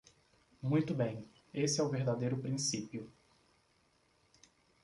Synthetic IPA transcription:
mũj̃t̪ʊbẽj̃ | esɪɛʊveɾd̪ad̪ejɾʊpɾĩsipiʊ

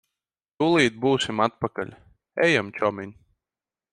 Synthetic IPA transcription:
t̪uːlˠiːt̪̚buːsʲimat̪̚paka̰ʎʲ | ɛjamt͡ʃɔmʲiɲʲ

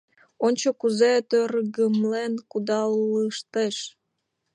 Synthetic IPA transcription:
onʲt͡ɕokuzet̪øɾɣəmlenkud̪ɑlləʃt̪eʃ

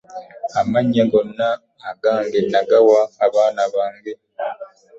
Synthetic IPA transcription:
amaɲːeɡonːaː | ɡaːŋɡenaɡawaːβaːnaβaːŋɡe

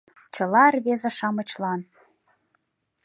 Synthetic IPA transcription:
t͡ɕɤ̆lɑrβezĕʃɑmɤ̆t͡ɕlɑn

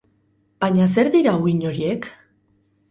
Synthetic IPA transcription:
b̥aɲas̬e̞ɾðiɾauiɲo̞ɾie̞k

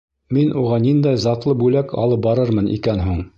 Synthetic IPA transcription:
minuʁɑnind̪æjzɑt̪lˠɤbʉlækʰɑ̰lˠɤp̚bɑɾɤɾmɤnʔḭkænɦuɴ

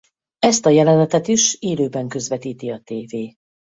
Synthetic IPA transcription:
ɛst̪ɒjɛlɛnɛt̪ɛt̪iʃeːløːbɛŋkø̞zvɛt̪iːt̪iɒt̪eːveː

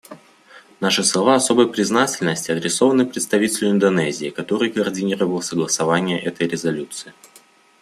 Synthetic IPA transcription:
naʂɨslˠɐvaɐso̞bɨjpɾʲɪznatʲɪlʲnəsʲtʲɪɐd̪ɾʲɪso̞vənːɨpɾʲɪt̪st̪ɐvʲitʲɪlʲʊɪnd̪ɐnɛzʲɪːkɐt̪o̞ɾɨjkəːrdʲɪnʲiɾəvəlˠsəɡlˠəsɐvanʲɪjəʔɛt̪əjɾʲɪzɐlʲut̪sɨɪ

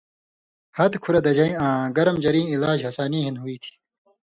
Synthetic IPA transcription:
hɐt̪kʰuɾɐd̪ɐd͡ʑɐĩãːɡɐɾɐmd͡ʑɐɾĩːilaːd͡ʑɐsaːnĩːɦinɦuiːt̪ʰi̥ː

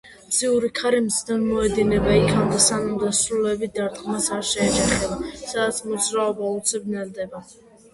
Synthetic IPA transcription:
bziuɾikʰaɾimzd̪anmɔɛd̪inɛbaikʰamd̪asanamd̪asɾulɛbid̪aɾt̪qmasaɾʃɛːd͡ʒaχɛbasad̪at̪sʰmɔd̪zɾaɔbaut̪sʰibnɛld̪ɛba

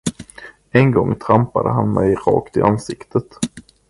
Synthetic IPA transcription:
ɛnɡɔŋːt̪ʰɾampad̪əɦanmɛjɾɑːkt̪ɪʔansɪkt̪ʰət̪

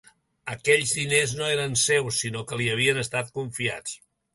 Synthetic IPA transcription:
əkɛʎzðineznoeɾənsewsːinokəliəβiənəst̪at̪̚kuɱfia̰t͡s

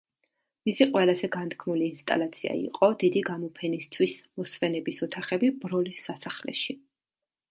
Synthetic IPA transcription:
misiqʼwɛlˠazɛɡant̪ʰkʰmuliːnst̪ʼa̰lˠat̪sʰia̰ḭqʼɔd̪id̪iɡamɔpʰɛnist̪ʰwismɔsvɛnɛbisɔt̪ʰaχɛbibɾɔlisːasaχlɛ̰ʃi

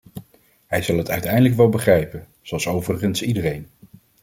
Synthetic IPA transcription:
ɦɛjzɑlˠɦətœɥtɛjndələkʋɛlˠbəχrɛjpən | z̥oɑlˠsowvərəχənsidərejn

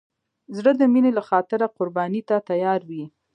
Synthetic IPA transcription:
zɽəd̪əminelaxɑt̪ɪɾaqʊɾbɑnit̪at̪ajɑɾwi

